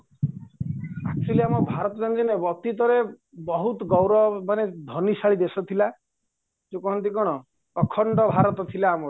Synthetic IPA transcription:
akʈiliamɔbʱaɾɔt̪ɔd͡ʒɔnt̪inebɔt̪it̪ɔɾe | bɔɦut̪ɔɡɔwɾɔmaned̪ʱɔnisaɭid̪esɔt̪ʰila | d͡ʒokɔɦɔnt̪ikɔɽ̃ɔ | ɔkʰɔɳʈɔbʱaɾɔt̪ɔt̪ʰilaːmɔ

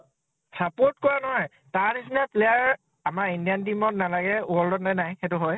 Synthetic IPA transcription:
sapɔɹtkɔɹanɔɦɔj | taɹnisinɛplejaɹ | amaɹindiantimɔtnalaɡɛwɔldɔtnajnajxɛtʊɦɔj

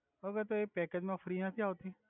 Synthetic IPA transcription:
əɡəɾt̪oeːk̚pɛːkeːd͡ʒmãːfʰəɾiːãːt̪ʰiãoːt̪ĩː

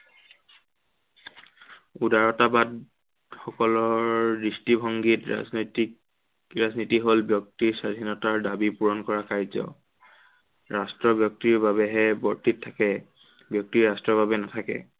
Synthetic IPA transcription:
udaɹɔtabad | xɔkɔlɔɹdistibʱɔŋɡitɹa̰znɔjtik | ɹaznitiɦolbjɔk̚tiɹsadʱinɔtaɹdabipuɹɔnkɔɹakaɹzɔ̰ | ɹastɹɔbjɔk̚tiɹbaβɛɦɛbɔɹtitʰːakɛ | bjɔk̚tiɹastɹɔbabɛnatʰakɛ̰

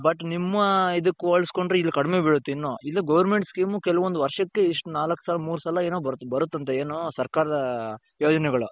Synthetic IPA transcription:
bɐʈːnimːɐid̪ukkːuoɭsko̞ɳɖɾeilːikɐɽimeːbiɽut̪ːinːoːʔilːiɡɐʋɐɾmeɳʈskiːmukɛlɐʋond̪uʋɐɾʂɐkːeiʂʈunaːlɐkːsɐːlɐmuːɾusɐlɐeːnoːbɐɾt̪ːbɐɾut̪ːɐnt̪ɐeːnoːsɐɾkaːɾɐd̪ɐ | joːd͡ʒɐnɛɡɐɭu

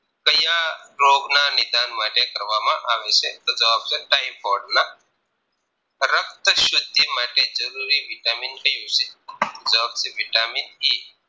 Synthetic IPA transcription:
kəjaɾoɡnanid̪anmaʈʰekəɾʋamaʔaʋeset̪ɔd͡zəʋab̚t͡seʈajpoɽna | ɾək̚t̪əɕud̪ʱːimaʈed͡zəɾuɾiːʋiʈaminkəjosit̪od͡zəʋaːb̚t͡seʋiʈaminji

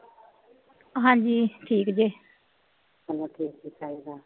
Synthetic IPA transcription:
ɦãːɲd͡ʒiːʈʰiːkd͡ʒiː | ɦəloːʈʰiːk̚d͡ʒiːkaːiɡaː

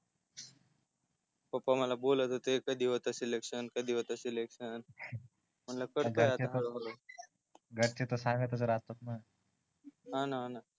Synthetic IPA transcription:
pəpaməlabolət̪ɦot̪ekəd̪iːʋət̪əsilekʂənkəd̪iʋət̪əsilekʂən | m̤əɳlakəɽɡəjateɦɭoɦoo | ɡʱəɽt͡ɕet̪osãŋɡət̪ət͡səɾat̪ok̚na | ɦãnaɦãna

